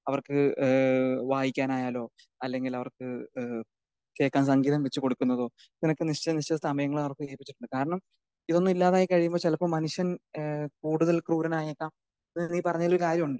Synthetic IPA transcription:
ɐʋɐrkɨ | ʋaːjikʲːaːnaːjaːlo̞ː | ɐlːe̞ŋɡilɐʋɐrkɨ | ke̞ːkːaːnsɐŋɡiːðɐmʋet͡ɕːɨko̞ɽukʲːunːɐðo̞ː | t̪inɐkːɨniʂt͡ɕɐniʂt͡ɕɐst̪ɐmɐjɐŋːɐɭɐʋɐrkːɨeːpːi̥t͡ɕːiʈːuɳɖɨkaːɾɐɳɐm | iðo̞nːumilːaːðaːjikɐɻijumbo̞ːt͡ɕelɐpːomɐnuʂjɐnkuːɽuðɐlkruːɾɐnaːjekːaːm | niːpɐrɐɲːaːloɾukaːɾjɐmuɳɖɨ

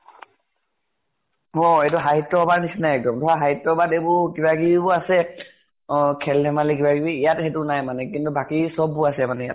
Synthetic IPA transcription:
ɦɔetʊɦaɦitːɔɔbaɹnisinajɛk̚dɔmtʰɔaɦaɦitːɔɔbadejbʊɹkibaɡibibʊasɛ | kʰɛlnɛmalikibaɡibiːjathɛtʊnajmanɛkintubakisɔbːʊasɛmanɛjat

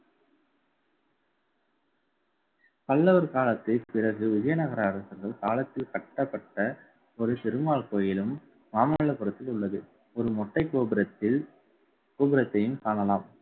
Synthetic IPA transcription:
pɐlːɐʋɐɾkaːlɐt̪ːɪpɪɾɐɣɯʊd͡ʒɐjɐnɐɣɐɾɐːɾɐsɐɾɣɐɭkaːlɐt̪ːɪlkɐʈːɐpːɐʈːɐ | ɔɾɯt̪ɪɾɯmaːɭkoːjɪlɯm | maːmɐɐɭɐpʊɾɐt̪ːɪlʊɭːɐðɯ | ɔɾɯmɔʈːɐɪkːoːbɾɐɪ | koːbɪɾɐt̪ːɐjɯmkaːnɐlaːm

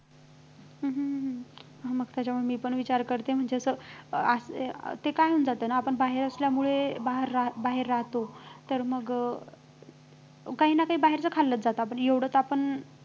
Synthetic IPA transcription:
ɦəɦ | ɦaməɡ̚t̪jat͡ɕamuɭemiːpəɳʋit͡ɕaɾkəɾt̪em̤əɳd͡zeəsəəst̪ekajund͡zat̪ənaːpəɳbaɦeɾəsljamuɭebaɦəɾːabaɦeɾːaɦt̪ot̪əɾməɡ | kaɦiːnakaɦiːbaɦeɾt͡səːkʰalːət͡s̪̚d͡zat̪aap̬əɳeʋɽ̤əːt͡sapəɳ

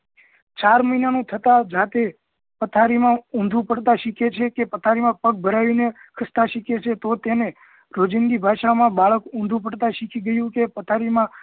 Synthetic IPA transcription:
t͡ʃaɾməinanũt̪ʰət̪ad͡ʒat̪e | pət̪ʰaɾimãũnd̪ʱũpəɽt̪ãʃikʰet͡ʃʰekepət̪ʰaɾimãpəɡ̚bʱəɾaʋinekʰəst̪aʃikʰet͡ʃʰet̪ot̪ene | ɾod͡ʒənɡ̪ibʱaʃamãbaɭəkũnd̪ʱũpəɽt̪ãʃikʰiɡəjũkepət̪ʰaɾimã

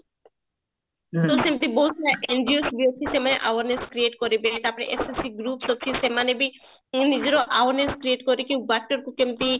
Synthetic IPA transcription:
t̪osemt̪ibosʰaʔenɖiosbiot̪ʰːisemaneʔa̰waɾneskɾieʈkoɾibet̪aɾpɔɾeʔesesiɡɾupsot͡ɕʰisemanebi | nid͡ʑeɾoʔawaɾneskɾieʈkoɾikiwbak̚ʈoɾkukemt̪i

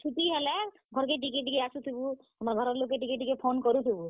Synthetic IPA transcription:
t͡ʃʰuʈiɦɛlɛ | ɡʱɔɾkeʈ̬ikeʈikeasut̪ʰibu | amaɾɡʱɔɾɔɾlokːeʈikeʈikepʰonkɔɾut̪ʰibu

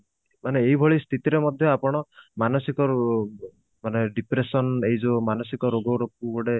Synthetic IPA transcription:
maneːɦibʱɔɭist̪ʰit̪iɾemɔd̪ʱjɔapɔɽ̃ɔmanɔsikɔɾ | maneɖipɾesɔneɦid͡ʒomanɔsikɔɾoɡɔɾok̚uboɽe

